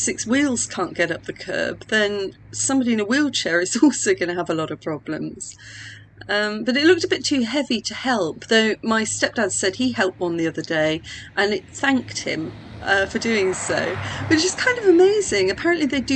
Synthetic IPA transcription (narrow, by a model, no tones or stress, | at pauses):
sɪkswilˠz̥kʰɑ̃ˑnɡ̥ɛɾʌp̚ðɨkʰɜ̰ːb̥̚ðɨ̃nsʌ̃mbɑɾiɨ̃nəwilˠt͡ʃʰɛːɹɨzɔlˠsoʊɡʌñəəvəlɒɾʌv̥pʰɹ̥ɒb̥lə̰̃mz̥ | ʌ̃mb̥ʌɾɨtˡlʊk̚təbɪtʰʉɦɛvitʰɨhɛlˠp̚ðoʊmaɪstɛp̚d̥ãʊz̥sɛd̚ihɛlˠp̚ʌ̃n̩ðiʌðədeɪʔə̃nɪt̪̚θæ̃ŋk̚t̚hɪ̰̃m | ʌfə˞dʉɪ̃ŋsoʊb̥ʌɨd͡ʒ̥ʌskʰãɪ̃ndʌvəmeɪzɪ̃ŋɨpʰæɹɨ̃nʔliðeɪdɨ